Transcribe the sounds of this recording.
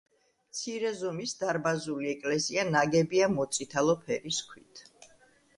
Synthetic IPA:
mt̪sʰiɾɛzɔmisd̪aɾbazuliɛkʼlɛzianaɡɛbiamɔt̪sʼit̪ʰalˠɔpʰɛɾiskʰwit̪ʰ

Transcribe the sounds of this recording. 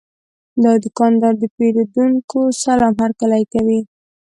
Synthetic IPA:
d̪ɑd̪əkɑnd̪ɑɾd̪əpeɾod̪uŋkosalɑmhaɾkalajkawi

